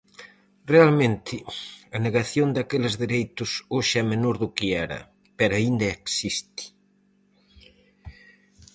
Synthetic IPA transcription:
realmẽnt̪ʰɪɐneɣaθjond̪akelɪzðeɾejt̪ʊsoʃɛmenoɾðʊkɪɛɾɐ̰ | pɛɾaind̪ɐeksist̪ɪ̥

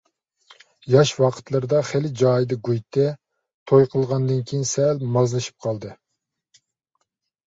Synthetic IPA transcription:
jɑʃwɑqʰə̥t̪lˠɨɾɨd̪ɑχelɪd͡ʒɑːjd̪ɨɡujt̪ʰɛ | t̪ʰojqʰəlˠʁɑnd̪ɨnkʲʰijinsɛlmɑzlˠɨʃi̥p̚qʰɑlˠd̪ɨ

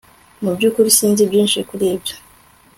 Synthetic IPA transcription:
mubjuːkuɾisiːnzibjiːnʃekuɾeːbjo̥

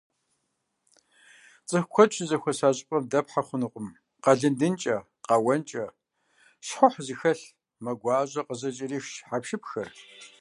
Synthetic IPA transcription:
t͡sʼɨxkʷʰɔt͡ʃʰʼzɐxʷɔsaːɕʼɪpʼɐmdɐpħaχʷʊnɨqʷʼʊm | qɐɮɨndɨnt͡ʃʼɐ | qɑwɐnt͡ʃʼɐ | ɕħʊħzɨxɐɬ | mɐɡʷaːʑɐqəzɐt͡ʃʼɪriːxʃħapʃɪpxɐr

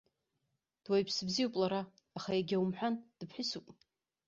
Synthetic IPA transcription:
d̥wajpʰsbzijowpʼlaɾaː | χajaɡʲawumħʷᶣand̥ɨpʰħɪsupʼ

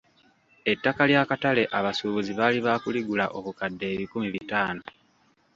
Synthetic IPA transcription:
e̞tːakaljaːkatale̞ʔaβasuβuziβaːliβakuliɡulaʔo̞kukadːe̞ːβikumiβitaːno

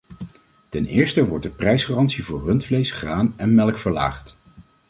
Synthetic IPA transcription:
tɛnɪ̰ːɹstəʋɔɹt̚dəprɛjsχaːrɑntsivʊːɹrɵntflejsχraːnɛnmɛlˠkfəɹla̰ːχt

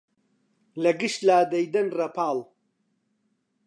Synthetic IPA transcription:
lɐɡɨʃt̪laːd̪ɐjd̪ɐnrɐpʰaːlˠ

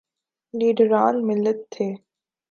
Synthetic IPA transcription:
liːɖɾaːnmɪlːət̪ʰːeː

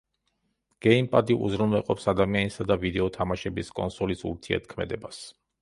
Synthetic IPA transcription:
ɡ̥ɛimpʼad̪iʔṵzɾunvɛlqʼɔpsad̪amianisad̪avid̪ɛɔt̪ʰamaʃɛbiskʼɔ̰nsɔlisṵɾt̪ʰiɛ̰ɾt̪̚ʰkʰmɛ̰d̪ɛbas

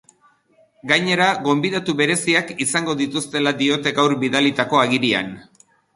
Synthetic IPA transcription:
ɡajɲe̞ɾaɣo̞mbiðat̪uβe̞ɾe̞siakisaŋɡo̞ðit̪ust̪e̞lad̪io̞t̪e̞ɣawɾbiðalit̪ako̞aɣiɾia̰n

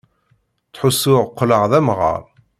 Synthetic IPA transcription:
t͡sːħʊsːʊʁqːləʁðæmʁə̰ɾˤ

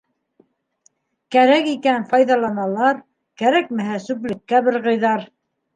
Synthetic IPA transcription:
kæɾækikænfɑjðɑlˠɑnɑlˠɑɾ | kæɾæk̚mɘɦæsʉplɘ̆kːæbɘɾʁɤ̆jðɑɾ

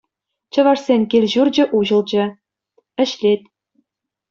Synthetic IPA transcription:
t͡ɕɤ̆ʋɑʂsʲenʲkʲilʲʑurd͡ʑɘ̆ʔuʑɤ̆lˠd͡ʑɘ̆ | ɘ̆ɕlʲet̪ʲ

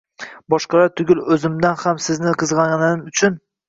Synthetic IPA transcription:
bɒʃqɑlaɾt̪ʰʊɡʲɪlɵzɪmd̪anhamsɪznɪqʰɨzʁɑanɪɪʊt͡ʃʰʊn

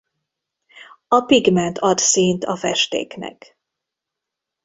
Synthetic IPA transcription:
ɒpiɡmɛnt̪ʰɒt̪siːnt̪ʰɒfɛʃt̪ḛːknɛ̰k

